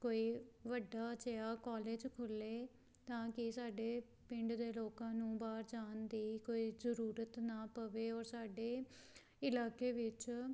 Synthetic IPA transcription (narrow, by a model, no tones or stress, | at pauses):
koːiːʋəɖːaːt͡ʃəjaːkaːleːd͡ʒkʰʊlːeː | t̪ãːkɪsaːɖeː | pɪ̃ɳɖd̪eːloːkãːnũːbaːɾd͡ʒaːnd̪iːkoːiːzəɾuːɾət̪naːpəʋeːɔːɾsaːɖeː | ɪlaːkeːʋɪt͡ʃ